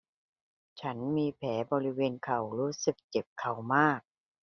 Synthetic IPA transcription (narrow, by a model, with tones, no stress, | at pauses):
t͡ɕʰa˦˥nmiː˧pʰɛː˩˦bɔː˧ɾi˦˥weː˧nkʰa˨˩wɾuː˦˥sɯ˨˩k̚t͡ɕe˨˩p̚kʰa˨˩wmaː˥˩k̚